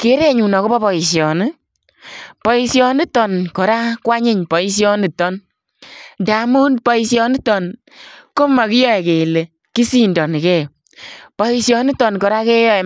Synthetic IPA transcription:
ke˨˦ɾe˦ɲu˨nɔ˨ko˦bɔ˦pɔ˨i˨s̬jɔ˨ni˦ | pɔ˨i˧sjɔ˧ni˦tɔ˨nkɔ˨ɾa˦kwa˦ɲɪ˦ɲpɔ˨i˦s̬jɔ˦ni˨tɔ˦n | nda˨mu˦npɔ˨i˧sjɔ˧ni˦tɔ˨n | ko˦ma˨ki˦jɔ˦ɛ˨ke˨le˨ | ki˦si˦ndɔ˨ni˨ke˦˨jo˨ | pɔ˨i˧sjɔ˧ni˦tɔ˨nkɔ˨ɾa˦ke˦jɔ˦ɛ˨

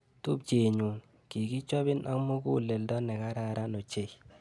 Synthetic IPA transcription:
tu˦p̚t͡ʃe˨ɲu˨ŋ | ki˨ki˦t͡ʃɔ˦bɪ˦nʔa˦kmo˦ku˦˨le˨ldɔ˦nɛ˨ka˦ɾa˦ɾa˦no˨t͡ʃe˨i

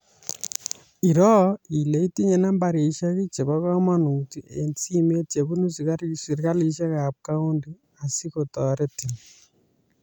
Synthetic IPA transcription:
i˨ɾo˦ile˦i˦ti˦ɲe˨na˦mbaɾi˨ʃa˦ɣi˦t͡ʃe˨βa˦ɣa˦manu˨tient͡si˦me˦t͡ʃe˨βu˦nu˦zi˨ɣasiɾɣa˦li˨ʃe˦ɣaβka˦u˦ndi | a˨siɣotɔ˨ɾe˦ti˨ni

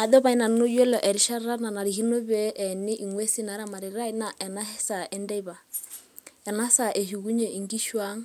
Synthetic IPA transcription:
a˨dɔ˦βa˨i˦na˨˦no˦jo˦lɔ˨ʔɛ˨ɾi˨ʃa˦a˦na˨na˨ɾi˨hi˦no˦bɛ˦ʔɛ˨nɪ˦ʔi˨ŋwe˦si˦na˨˦ɾa˦˨ma˨ɾi˨ɾa˦i˦na˨ʔɛ˨na˦hɛ˦sa˨ʔɛ˦ndɛ˦i˦ba˨ | ɛ˨na˦sa˨ʔe˨hu˨ku˦ɲe˨i˨ŋɡi˦ʃwa˦ŋ

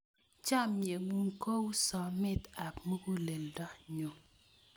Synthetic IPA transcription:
t͡ʃa˦˨mje˨ŋu˦ŋko˦wsɔ˨mɪ˦ta˨kmu˦ku˦le˨ldɔ˦ɲo˨

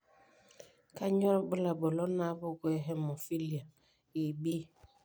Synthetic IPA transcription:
ka˦ɲɔ˦ɾbə˦la˨bo˨lɔ˦na˨˦bʊ˦ɡwɛ˦ɦɛ˦mɔ˨fi˦li˨a˨ | i˨bi˦

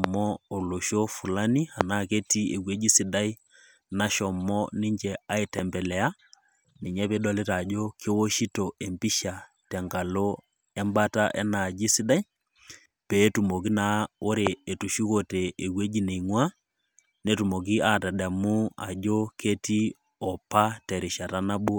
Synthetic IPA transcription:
mɔ˦o˨lo˨ʃo˦fu˨la˦ni˦a˨na˦ke˦ti˦e˨we˦d͡ʒi˦si˨da˦i˦ | na˦ʃɔ˨mːɔ˦ni˦ɲd͡ʒɛ˨a˦i˨tɛ˨mbɛ˨lɛ˨a˦ | ni˨ɲɛ˦pe˦dɔ˦le˦ta˨d͡ʒo˦kʰe˦wo˦ʃi˦to˨e˨mbi˦ʃa˨ | tɛ˨ŋɡa˨lo˦ | ɛ˦mba˦ta̰˦ʔɛ̰˦na˨d͡ʒi˦si˦da˦j | pe˨˦tu˨mo˨ki˦na˨o˦ɾeː˨tu˨ʃi˦ko˨te˨ʔːɡwe˦d͡ʒi˦ne˨iŋwa˦ | ne˦tu˨mo˨k̬i˦a˦˨tɛ˨ɗɛ˨mu˦a̰˨d͡ʒo˦kʰe˦ti˦ | ɔ˨pa˦tɛ˨ɾi˨ʃa˨ta˦na˦bu˦

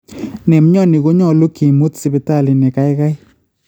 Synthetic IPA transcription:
nɛ˨m˦ɲɔ˦nɪ˨ɡo˦ɲɔ˦˨lo˦ki˨mo˦tsɪ˦pɪ˨˦ta˦˨li˨nɛ˨ka˦ɪ˦ka˦ɪ˦

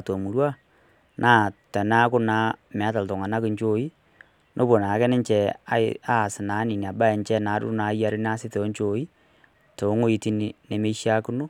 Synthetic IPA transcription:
to˨mu˨ɾwa˦ | nʔaː˦˨tɛ˨na˦kʊ˦na˦mɛ˨˦ta˨lto˨ŋa˨na˦kɪ˨ɲt͡ʃo˦i˦ | nʔo˦bo˨na˨˦kɛ˦nɪ˦ɲt͡ʃɛ˨a˨˦ɪ̰a˦˨sɪ˨na˨˦ni˨ni˨a˨ba˦ɛ˨ɲt͡ʃɛ˦na˨˦dʊ̰˦na˨˦ja˦ɾɪ˦n˦a˦sɪ˦te˨ɔ˦ɲt͡ʃo˨i˦ | to˨˦ŋo˦i˨ti˦ni˨ne˨me˦i˦ʃja˦kʊ˦no˦

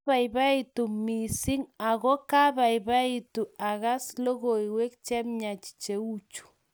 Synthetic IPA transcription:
a˨i˨βa˦i˨tu˨mi˨si˦ŋa˨ɣɔ˦ka˦βa˨iβa˦i˦tu˨a˨ɣa˦slo˦ɣo˨i˨we˦kt͡ʃɛ˦mɲa˨t͡ʃi̥˨t͡ʃe˨u˦t͡ʃu̥˨

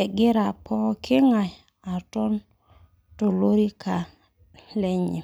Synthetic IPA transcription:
ɛ˨ɡɪ˦ɾa˨pɔ˦kʰɪ˦ŋa˨j | a˨tɔ˦n | to˨lo˦ɾi˦ka˨ | lɛ˦ɲḭ˨

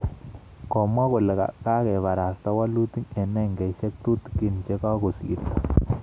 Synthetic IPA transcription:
kɔ˨mwa˦ko˨le˨ka̰˨ka˦kɛ˨βa˨ɾa˨sta˦wa˦lu˦t̪i˦ŋɛ˨nɛ˦ŋɡɛ˨ʃɛ˦k̚t̪u˦t̪ki˦˨nt͡ʃe˦ka˦ko˨sḭ˨t̪ḁ˨

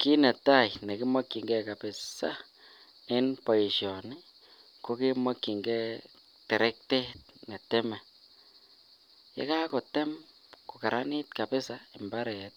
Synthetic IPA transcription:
ki˦ne˨t̪a˦jne˨kɪ˦ma˦kːi˨ŋɡɛ˦ka˨pɪ˨sa̰˦ | ɪ˦npa˨ji˨ʃjɔ˨ni˦ | ko˦ki˦ma˦kːi˨ŋɡɛ˦ | te˨ɾe˦k̚te˦t̪̚ne˨t̪ɛ˦mɛ˨ | jḛ˦ka˦ko˨tɛ˦m | ko˨ka˨ɾʔa˦ni˦t̪ka˨pe˦sa˦i˨mba˦ɾe˨t̪̚

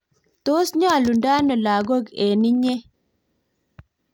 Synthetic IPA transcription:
t̪o˦sɲɔ˦a˨lu˨nda˦nɔ˨la˨ɡo˦ɡe˨nɪ˦ɲe˦

